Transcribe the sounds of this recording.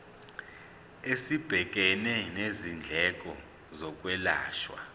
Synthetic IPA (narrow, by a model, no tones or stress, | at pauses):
esib̥ʱɛkʼɛnɛnezind͡ɮʱɛkʼɔ | zɔkʼwɛla̰ːʃwa̰